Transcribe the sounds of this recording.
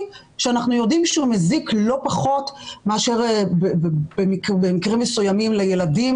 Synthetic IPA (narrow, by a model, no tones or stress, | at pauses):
ʃeanaχnujo̞dimʃeumeziklo̞paχo̞tmeaʃeʁbebbemikbemikʁimːesujamimlejeladim